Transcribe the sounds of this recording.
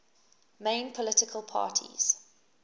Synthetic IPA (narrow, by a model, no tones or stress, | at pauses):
mẽɪ̃npʰɔlɪtɪkʰəlˠpʰɑ̰ːˑtʰḭz̥